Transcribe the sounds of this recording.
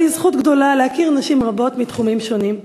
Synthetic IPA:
izχutɡdo̞lalehakiʁnaʃimʁabo̞tmitχumimʃo̞nim

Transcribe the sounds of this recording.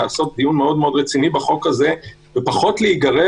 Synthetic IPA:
aːso̞t̚d̪ijunme̞o̞dmeo̞d̪ʁet͡sinibeχo̞khaze̞ | vepaχo̞tleiɡaʁe

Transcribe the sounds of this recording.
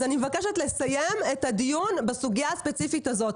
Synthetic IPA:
animevakeʃet̪le̞sajemet̪ad̪ijunbesuɡijaspet͡sifit̪azo̞t

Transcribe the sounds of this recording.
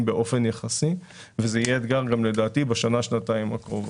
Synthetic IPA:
mbeʔo̞fe̞njaχasi | vezeijeːd̪ɡaʁɡamle̞d̪aːt̪ibeʃanaʃnat̪aimakʁova

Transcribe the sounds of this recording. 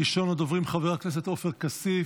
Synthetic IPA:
iʃo̞nad̪ovʁimχaveʁaknes̬et̪o̞feʁkasi

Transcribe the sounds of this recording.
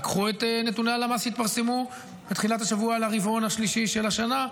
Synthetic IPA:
kχuet̪ene̞tunealamashit̪̚paʁse̞mu | bet̪χilat̪haʃavualaʁivo̞nhaʃliʃiʃe̞laʃana

